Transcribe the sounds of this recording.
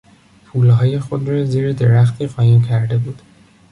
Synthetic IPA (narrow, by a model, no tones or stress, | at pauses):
pʰuːlɦɒːje̞xo̞d̪ɾɒːziːɾed̪e̞ɾæxt̪ʰiːɣɒːjincʰæɾd̪e̞buːd̪̥